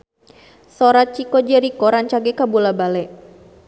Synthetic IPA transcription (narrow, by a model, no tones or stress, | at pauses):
soɾat͡ʃikɔd͡ʒɛɾikɔɾaɲt͡ʃaɡɛkabulabalɛʔ